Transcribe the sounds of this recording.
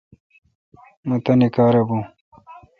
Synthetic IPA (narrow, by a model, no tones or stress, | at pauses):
mut̪ɐnikaːɾɐbũ